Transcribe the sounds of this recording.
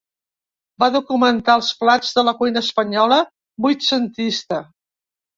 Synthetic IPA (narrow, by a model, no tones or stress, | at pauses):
baðukumənt̪aəlˠsflad͡zðələkujnəːspəɲɔlə | bujt̪sənt̪ist̪ə